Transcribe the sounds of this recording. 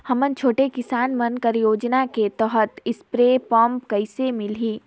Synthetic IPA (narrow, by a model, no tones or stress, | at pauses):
hɐmənt͡ʃʰoːʈekɪsaːnmənkəɾjoːd͡ʒnaket̪ɔɦət̪ɪspɾepɔːmpkɐɪsemɪliː